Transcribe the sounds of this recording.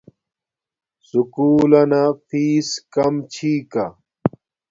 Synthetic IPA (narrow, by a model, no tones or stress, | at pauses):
sukuːlɐnafiːskɐmt͡ɕʰiːka